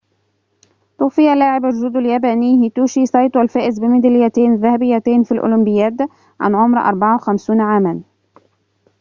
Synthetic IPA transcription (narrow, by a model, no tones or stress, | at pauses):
t̪ˤuːfɪjːalːaːʕɪbaʒʒuːd̪aljæːbæːniːhɪt̪uːʃiːsˤɑjt̪ˤwalfæːʔɪzbɪmɪd̪ælɪjæt̪eːnðæhæbɪjːæt̪eːnfilʔʊ̰lʊmbɪjːæːt̪ | ʕa̰nʕʊmɾʔɑ̰ɾˤbɑʕawxæmsuːnʕaːman